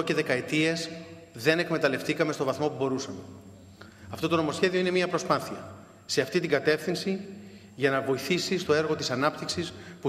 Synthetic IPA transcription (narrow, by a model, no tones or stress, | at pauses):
oce̞ðe̞kɐet̪ie̞z | ðe̞ne̞kme̞t̪ɐle̞ft̪ikɐmest̪o̞vɐθmo̞pubo̞ɾusɐme | ɐft̪o̞t̪o̞no̞mo̞sçe̞ðio̞ine̞miɐpɾo̞spɐθiɐ | se̞ɐft̪it̪iɡɐt̪e̞fθinsi | ʝɐnɐvo̞iθisist̪o̞e̞ɾɣo̞t̪i̥sɐnɐpt̪iksispu